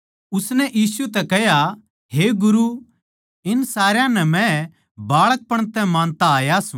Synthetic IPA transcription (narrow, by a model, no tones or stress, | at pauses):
ʊsnɛʔjiːsut̪̬ɛkɛɦja | ɦeɡʊɾu | ɪnsaːɾjãnɛmɛ̃ | baːɭək̚pɐɽ̃t̪ɛmãːnt̪aaːjasũ